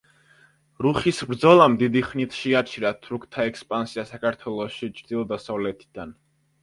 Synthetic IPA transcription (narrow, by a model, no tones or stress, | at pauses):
ɾuχisbɾd̪zɔlˠamd̪id̪iχnit̪ʰʃɛat͡ʃʰiɾat̪ʰuɾukʰt̪ʰaɛkspʼansiasakʰaɾt̪ʰwɛlˠɔʃit͡ʃʰɾd̪ilˠɔd̪asavlɛt̪ʰi̥d̪̥an